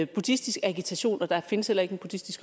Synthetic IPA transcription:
b̥ud̥isd̥isɡ̥æɡ̥it͡sʰæɕo̝̰ːnɒ̽d̥ɑ̈fe̝nəshel̰ɐe̝ɡ̥enb̥ud̥isd̥isɡ̥

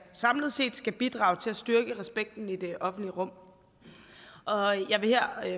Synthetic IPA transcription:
sɑ̈mləð̞̩ˠse̝̰ːd̥sɡ̥æb̥id̥ʁɑ̰̈ːʊt͡sʰe̝læsd̥yɐɡ̥əʁɛsb̥eɡ̥̚d̥n̩id̥e̝ʔɒ̽fn̩d̥liəʁɔ̽m̰ | ʔɒ̽jɑ̈ɪʋe̝heɐ̰

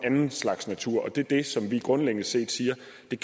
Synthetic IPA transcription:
ænn̩slɑ̈ɡ̥snæt͡sʰuɐ̰ɒ̽d̥e̝ɐd̥e̝sɒ̽mʋiɡ̥ʁɔ̽nleɡ̥ən̩se̝̰ːd̥siːɐ | d̥e̝kʰ

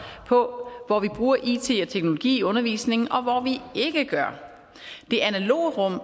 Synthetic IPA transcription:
pʰɒ̽ʋɒʋib̥ʁuːɐʔḭt͡sʰe̝̰ɒ̽t͡sʰeɡ̥no̝lo̝ɡ̥ḭːɔ̽nɐʋḭːsne̝ŋn̩ʔɒ̽ʋɒʋie̝ɡ̥əɡ̥ɶɐ | d̥e̝ʔænælo̝̰ːʁɔ̽m̰

